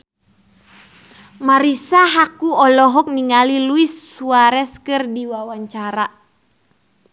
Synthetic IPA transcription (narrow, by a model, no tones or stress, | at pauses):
maɾisaɦakuɔlɔɦɔk̚niŋaliluisːuaɾɛskɨrdiwawaɲt͡ʃaɾa